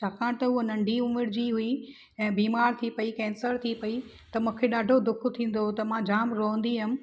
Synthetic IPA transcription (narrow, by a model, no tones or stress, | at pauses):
t͡ɕʰaːkãːt̪ɐʊɦonɐ̃ɳɖʱiʊmɪɾd͡ʑiɦʊi | ɛ̃ːbiːmaːɾt̪ʰipɐikɛ̃ːnsəɾt̪ʰipɐi | t̪ɐmũːkʰeɗaːɖʱod̪ʊkʰt̪ʰĩːn̆d̪ot̪ɐmãd͡ʑaːmɾoɦə̃nd̪iɦʊm̆